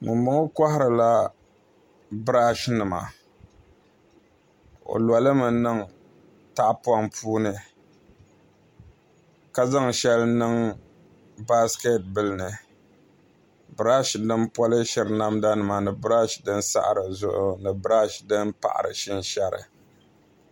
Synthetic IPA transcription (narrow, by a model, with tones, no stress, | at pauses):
mʊ˨mbʊ˦ŋʊ˦ka˦hɪ˦ɾɨ˨la˦ | bɨ˦ɾa˦ʃnɨ˨ma̰˨ | o̰˨la˨lɨ˦mɨ˨˦nɨ˦ŋ | ta˦ʔpʊ˦a˦ŋpʰuː˦nɨ˨ | ka˦za˦ŋʃɛ˦lnɨ˦ŋ | ba˦ske˦t̚bɨ˦lnɨ˨ | bɨ˨ɾa˦ʃdɨ˦npɔ˦lɪ˦ʃɪ˨ɾna˦mda˦nɨ˨ma˨nɨ˨bɨ˦ɾa˦ʃdɨ˦n˦sa̰˦ʔɾɨ˨zʊ˦ʔʊ˨nɨ˨bɨ˦ɾa˦ʃdɨ˦npa̰˨ʔa̰˨ɾɨ̰˨ʃɪ˦nʃa˦ɾɨ̰˨